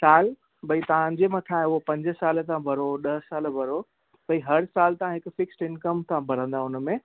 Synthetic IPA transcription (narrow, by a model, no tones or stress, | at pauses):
saːl | bɐit̪ɐãd͡ʑemɐ̃t̪ʰãːʊɦopɐ̃ɲd͡ʑəsaːlt̪ãbʱɐɾoɗɐɦsaːlbʱɐɾo | bɐiɦɐɾsaːlt̪ɐãɦɪkfɪksʈɪnkəmt̪ʰãbʱɐɽ̤ə̃nd̪aʊn̆mẽ